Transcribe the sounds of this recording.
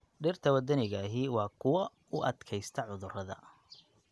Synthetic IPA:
ɖɪrt̪ʰɐwɐd̪ɐnɪɣaːɦiwɑːkʰʊwɐ | ʊʔɐd̪kʰɛjst̪ʰɐʕʊðʊrɐðɐ̰

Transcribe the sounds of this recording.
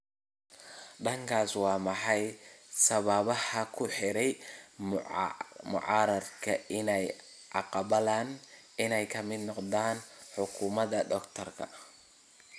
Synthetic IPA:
ɖɐŋkʰaːswɑːmɑħɑjsɐβɐβɐhɐkʰʊħɪɾɛj | mʊ̰ʕɑːɾɐrkʰɐɪnɛj | ʕɑqɑbɐlaːn | ɪnɛjkʰɐmɪd̪nɔqd̪aːnħʊkʰuːmɐd̪ɐɖɔkt̪ʰɐrkʰɐ

